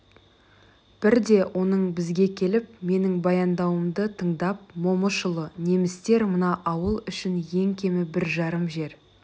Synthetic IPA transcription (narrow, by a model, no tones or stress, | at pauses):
b̥ɪɾd̪e̞wʔo̞nəɴbɪzɡʲe̞kʲʰe̞lɪp̚me̞nɪŋbɑjɑnd̪ɑwəmd̪ət̪ʰəɴd̪ɑp̚mo̞məʃəlˠəne̞mɪst̪e̞ɾmənɑʔɑwəlˠʏʃɪnje̞ŋkʲʰe̞mɪbɪɾʒɑɾəmʒe̞ɾ